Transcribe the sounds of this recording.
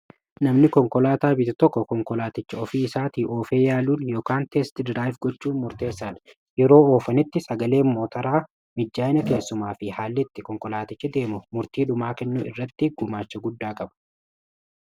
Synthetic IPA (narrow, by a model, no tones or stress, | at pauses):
nɐmnɪkɔŋkɔlaːt̪aːbɪt̪ɪt̪ɔkːɔkɔŋkɔlaːt̪ɪt͡ʃːɐɔfiːɪsaːt̪iːʔo̞ːfe̞ːjaːluːnjoːkaːnt̪eːst̪ɪd̪ɾaːjfɡɔt͡ʃːuːnmʊɾt̪e̞ːsːaːnɐ̥ | jɛɾo̞ːoːfɐnɪt̪ːɪsʼɐɡɐle̞ːmmo̞ːt̪ɐɾaː | mɪd͡ʒːaːjɪnɐke̞ːsːʊmaːfɪhaːlːɪt̪ːɪkɔŋkɔlaːt̪ɪt͡ʃːɐd̪e̞ːmʊmʊɾt̪iːᶑʊmaːkɛnːṵːɪrːɐt̪ːɪɡʊmaːt͡ʃːɐɡʊd̪ːaːkʼɐbɐ̥